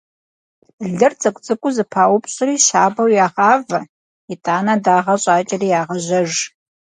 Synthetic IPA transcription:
ɮɨrt͡sʼɐkʷʼt͡sʼɨkʷʼʊzɨpʰaːwʊpɕʼɪriːʃa̰ːbɐwjaːʁaːvɐ | itʼaːnɐdaːʁɐɕʼaːt͡ʃʼɐriːjaːʁɐʑɐʒ

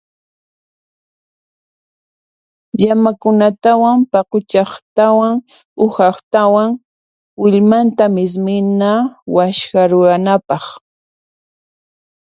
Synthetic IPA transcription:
ʎamakʊnat̪awampɑqʊt͡ʃɑχt̪awaŋ | ʊhɑχt̪awaŋ | wɪʎmant̪amɪs̬mɪnawaʃkaɾʊɾanapɑχ

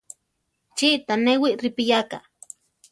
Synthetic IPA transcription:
t͡ʃiʔt̪anewiʔɾɪpɪjaka̰

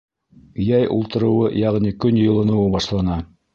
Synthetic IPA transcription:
jæjʔṵlˠt̪ɤ̆ɾɤ̆wɤjɑʁnikɵnjɤ̆lˠɤ̆nɤ̆wɤbɑʃlˠɑnɑ

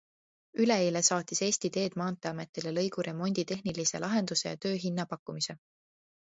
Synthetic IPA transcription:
yle̞eːle̞sɑːt̪ːˑise̞ːsʲt̪it̪e̞ːd̪̥mɑːnt̪ːˑeɑme̞t̪ːˑilelɤjɡuɾʔe̞mo̞nʲd̪̥it̪e̞ɦnilise̞̰lʔɑɦe̞nd̪̥use̞jɑ̰t̪ø̞ːɦinːɑpɑkːumise̞

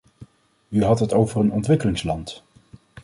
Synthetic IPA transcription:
yɦɑtɦətowvərənɔntʋɪkəlɪŋslɑnt

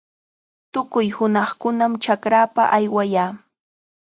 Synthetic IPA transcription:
t̪ʊkʊjhʊnɑχkʊnamt͡ʃakɾaːpa̰ʔajwajaː

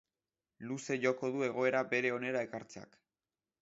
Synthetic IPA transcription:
luse̞ʝo̞ko̞ðue̞ɣ̞o̞e̞ɾabe̞ɾe̞o̞ne̞ɾae̞kaɾt͡sea̰k

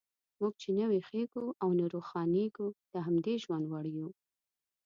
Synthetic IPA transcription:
muɡ̚t͡ʃenəwixeɡuʔawnaɾoxɑneɡud̪̥əɦamd̪eʒwand̪waɽju

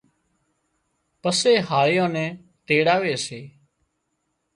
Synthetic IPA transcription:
pəseːɦaːlɪjõːnɛ̃ː | t̪eːɽaːʋeːseː

